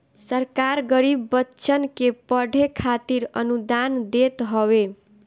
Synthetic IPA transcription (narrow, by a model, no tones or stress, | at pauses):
səɾkaɾɡəɾibːətːt͡ʃʰənkepəɽʱekʰat̪iɾə̰nud̪and̪et̪ɦɔwe